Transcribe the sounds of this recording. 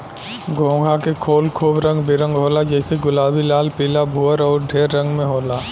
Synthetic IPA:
ɡõːɡʱakekʰoːlkʰuːbɾə̃ŋɡbɪɾə̃ŋɡɦoːlad͡ʒɛːseɡʊlaːbilaːlpiːlabʱuːəɾɔːɾɖʱeːɾːə̃ŋɡmẽɦoːlaː

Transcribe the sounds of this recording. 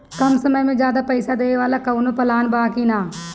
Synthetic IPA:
kɐmsəməjmẽd͡ʒjaːd̪apɛɪsad̪eːʋaːlakɐʋnõpɐlaːnbaːkinaː

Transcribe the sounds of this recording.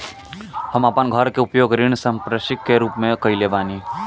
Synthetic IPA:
hɐmapənɡʱəɾkeʊpjoːɡɾɪɽ̃sə̃mpɾəʃɪkːeɾuːpmẽkəileːʋaːni

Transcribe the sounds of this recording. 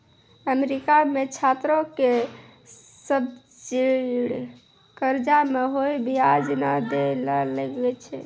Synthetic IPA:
əmeɾikamet͡ʃʰat̪ɾoke | səb | d͡ʒiɽ | kəɾd͡ʒameɦojbiad͡ʒnad̪eləleɡɡɛt͡ʃʰɛ̰

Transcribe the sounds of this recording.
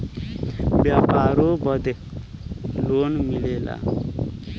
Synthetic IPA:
bjapaɾobʌd̪e | lonmilela̰

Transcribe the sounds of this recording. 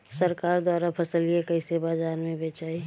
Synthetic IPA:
səɾkaːɾd̪waːɾapʰəsəliekəisebaːzaːɾmẽbeːt͡ʃaːi

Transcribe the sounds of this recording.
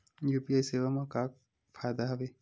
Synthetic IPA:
juːpiajseʋamãkaːk̚ | fʰaːd̪aɦɐʋe

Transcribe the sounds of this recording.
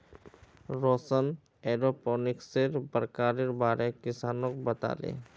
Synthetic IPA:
ɾoːsən | eːɾopoːnɪkseɾbəɾkaːɾiɾbaːɾekɪsaːnõkobət̪a̰ːlḛː

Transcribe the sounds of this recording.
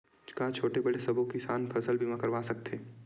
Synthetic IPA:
t͡ʃkat͡ʃʰoːʈebɐɽesɐbʱõkisaːnpʰɐsəlbʱimãkɐɾʋaːsɐk̚t̪eː

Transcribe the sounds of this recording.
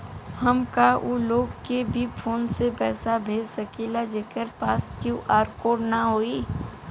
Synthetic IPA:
həmkaʔuloːɡkebʱipʰoːnsepɛːsabʱeːd͡ʒsəkilad͡ʒeːkəɾpaːsʈjuʔaːɾkoːɾnaɦoːiː

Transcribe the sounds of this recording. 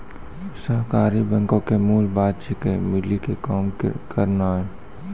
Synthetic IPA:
səɦkaːɾibɛ̃ŋkõkemuːlbaːd̪̚t͡ʃikemɪlikekaːmkʰəɾnaɦɛː

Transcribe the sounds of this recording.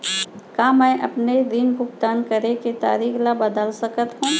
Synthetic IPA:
kaːmɛ̃ːʔɐpneɾinbʱʊɡt̪aːnkəɾeket̪a̰ːɾiːklabɐd̪əlsəkət̪ɦũː

